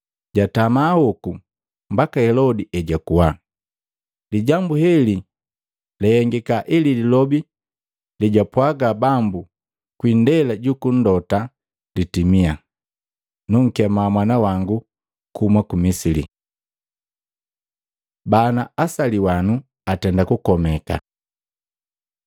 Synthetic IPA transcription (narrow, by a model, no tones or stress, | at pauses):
ɟatamaːhɔku | mbakahɛlɔdiʔɛɟakuwa | liɟambuhɛli | lɛhɛŋɡikaʔilililɔbi | liɟapwaɡabambu | kwindɛlaɟukun̩dɔta | ditimia | nuŋ̩kɛmamwanawaŋɡu | kumwakumisilḭ | banaasaliwanu | atɛndakukɔmɛka̰